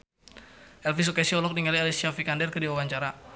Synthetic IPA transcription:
ʔɛlfis̬okɛsiɔlɔk̚niŋalialisiafikandɛrkədiwawaɲt͡ʃaɾa

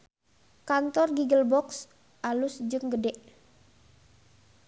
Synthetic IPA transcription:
kant̪ɔrɡiɡəlbɔks | ʔalʊsd͡ʒɨŋɡədɛʔ

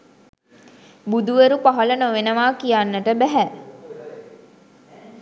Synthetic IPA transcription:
bud̪uʋeɾupaɦələnoʋenəʋaːkijanːəʈəbæɦæ

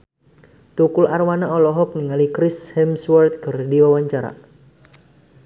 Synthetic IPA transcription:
t̪ukʊlʔarwanaɔlɔɦɔk̚niŋalikɾɪshɛmswart̪̚kərdiwawaɲt͡ʃaɾa̰

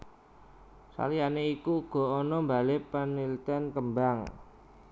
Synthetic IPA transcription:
sa̰lianeikuɡ̥ɔ̤ɔnɔmbalepənilt̪ənkəmbaŋ

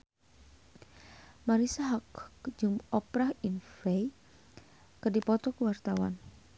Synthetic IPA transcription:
maɾisaɦakd͡ʒumɔpɾahinfej | kərdipɔt̪ɔkəwart̪awa̰n

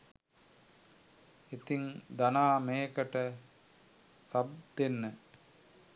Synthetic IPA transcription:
et̪iŋd̪anaːmeːkəʈə | sab̚d̪enːə

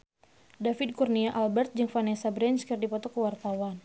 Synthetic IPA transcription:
dafɪd̪̚kurniaʔalbɛrt̪̚d͡ʒɨŋfanɛsabɾɛnt͡ʃkərdipɔt̪ɔkəwart̪awan

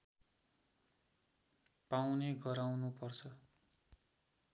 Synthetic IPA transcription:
pawneɡʌɾawnupʌrt͡sʰʌ

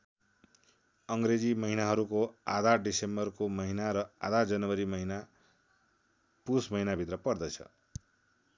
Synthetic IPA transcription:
ʌŋɡɾed͡zimʌɦinaɦʌɾukoad̪ʱaɖisembʌrkomʌɦinaɾʌa̰d̪ʱad͡zʌnʌwʌɾimʌɦina | pusmʌɦinabʱit̪rʌpʌrd̪ʌt͡sʰʌ̰

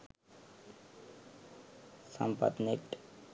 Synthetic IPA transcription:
sa̰mpa̰t̪nek̚ʈ

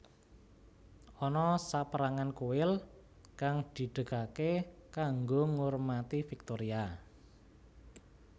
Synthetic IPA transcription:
ɔnɔsapəɾaŋankoɪl | kaŋd̪̥i̤ɖ̥əkakekaŋɡoŋormat̪ifik̚t̪oɾia

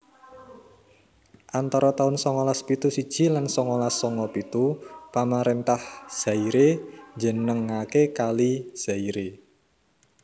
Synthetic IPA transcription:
ʔant̪aɾɔt̪aʊnsɔŋɔlaspit̪usid̥ʒ̥i̤lansɔŋɔlasːɔŋɔpit̪upamaɾent̪ahz̥a̤iɾed͡ʒə̤nəŋːakekaliz̥a̤iɾe

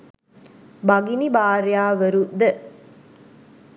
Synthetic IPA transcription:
bɐɡinibaːɾjaːʋəɾud̪ə

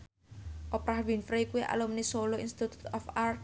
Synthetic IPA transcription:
ʔɔpɾahwinfɾekuiʔa̰lumnisoloinst̪it̪u̥t̪ɔfar

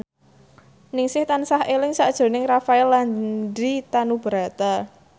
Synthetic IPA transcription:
nɪŋsɪht̪ansahʔelɪŋsad̥ʒ̥o̤nɪŋrafaɛlːandit̪anub̥əɾa̤t̪a

